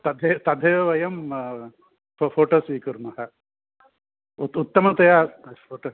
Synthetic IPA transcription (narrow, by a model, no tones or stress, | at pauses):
t̪ɐd̪ʱet̪ɐd̪ʱeːʋɐjɐm | ffoːʈoːsʋiːkuɾmɐɦɐ | ut̪ut̪ːɐmɐt̪ɐjaːoːʈo